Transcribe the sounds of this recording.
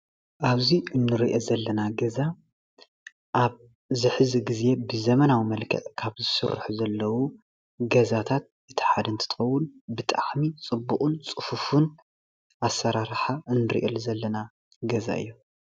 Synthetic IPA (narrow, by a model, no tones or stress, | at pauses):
ʔaβziʔɨnːɨɾiʔezɐlːɐnaɡɐza | ʔaβ | zɨħɨziɡize̞bɨzɐmɐnawimɐlkʰɐ̰ʔʼkʰaβzɨsɨ̰ɾ̰ħuzɐlːɐwu | ɡɐzat̪ʰat̪̚ | ɨt̪ʰɨ̥ħad̪ɨnt̪ʰɨt̪ʰɨ̥xɐwːʊnbɨt̪ʼa̰ħmit͡sʼɨbːuqʼunt͡sʼɨfufun | ʔasːɐɾaɾħaʔɨnːɨɾḭʔḛlzɐlːɐna | ɡɐza̰ɨ̰jːu